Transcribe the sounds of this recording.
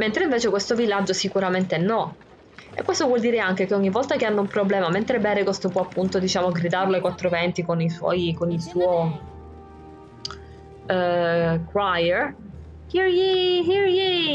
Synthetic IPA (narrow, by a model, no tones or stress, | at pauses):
ment̪ɾeĩɱveːt͡ʃekwest̪ovilːad͡ʒosikuɾament̪enːɔ | ḛkːwest̪ovwɔld̪iːɾeaŋk̟ek̟eɔɲːivːɔlt̪akeanːoumpɾoblɛːmament̪ɾebɛːɾekwest̪opwɔapːunt̪od̪it͡ʃaːmoɡɾid̪aɾloekwat̪ːɾovɛnt̪ikoniswɔ̰jkonisuːo | kɾajeɾ | hiɾjihiɹji